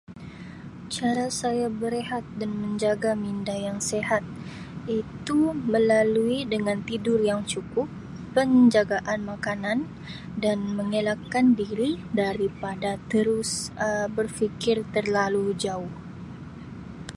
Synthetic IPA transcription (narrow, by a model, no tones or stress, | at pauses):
t͡ʃaɾasajabəɾeɦat̪̚danməɲd͡ʒaɡamindajaŋsehat̪̚ | it̪uməlaluidəŋant̪idʊrjaŋt͡ʃukʊpː | əɲd͡ʒaɡaʔanmakanan | danməŋelakandiɾidaɾipadat̪əɾʊsəbərfikɪrt̪ərlalud͡ʒaʊh